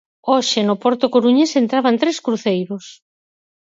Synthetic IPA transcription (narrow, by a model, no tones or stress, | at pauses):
oʃɪnopɔɾt̪okoɾuɲesent̪ɾaβant̪ɾeskɾuθejɾos